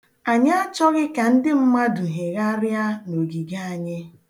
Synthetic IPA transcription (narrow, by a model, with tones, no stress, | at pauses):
a˨ɲa˦t͡ʃɔ˦ɣɪ˦ka˨n̩˦dɪ˦m̩˦ma˦dʊ˨ɦe˨ɣa˦ɾja˦no˨ɡi˨ɡa˦a˨ɲɪ˦